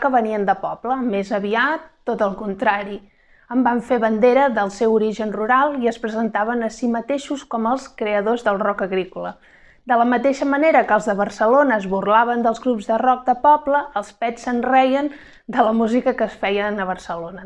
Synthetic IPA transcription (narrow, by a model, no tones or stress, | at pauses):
kəβəniənd̪əpɔpləmezəβiat̪ːot̪əlˠkunt̪ɾaɾi | əmbaɱfeβənd̪eɾəðəlˠsɛwuɾiʒənruɾalˠiəspɾəzənt̪aβənəsimət̪eʃuskɔməlˠskɾeəðozðəlˠrɔkəɣɾikulə̰ | d̪ələmət̪eʃəməneɾəkəlˠzðəβərsəlonəːzβurlaβənd̪əlˠzɣɾupzðərɔk̚d̪əpɔpləːlˠspɛsənrɛjən | d̪ələmuzikəkəːsfɛjənəβərsəlonə